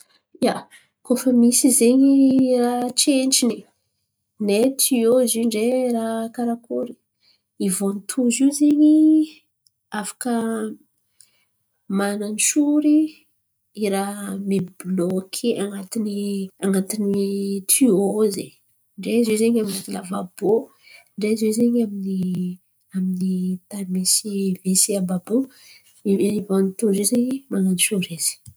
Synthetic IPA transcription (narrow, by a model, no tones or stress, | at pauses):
ja | kofəmisizeɲirat͡ʃenʈ͡ʂini | net̪ʰioziɳɖ͡ʐeɾakaɾakuɾi̥ | ivonit̪ʰuzizeɲi | afḁkə | manant͡ʃuɾiː | ɾamiblɔkʰiaŋat̪iniaŋat̪init̪ʰioze | ɳɖ͡ʐezezeɲaminat̪ilavab̥o | ɳɖ͡ʐezezeɲamini | aminit̪aɾmisivesiababo | iivanit̪uzizeɲimananiʃuɾiz̥i̥